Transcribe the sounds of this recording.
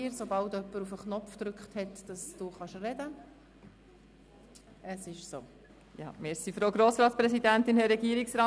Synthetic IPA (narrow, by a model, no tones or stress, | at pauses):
ɾsobɑltœpːəɾufəχnɔfd̪ɾʏkχthɛtd̥ɑsd̥uːχɑʃrɛdə | əsɪʃso̰ː | jɑ̰mesifɾoːɡɾoːsɾɑːt̪spɾɛsidænt̪ɪnhɛɾɛɡiəɾiksɾɑː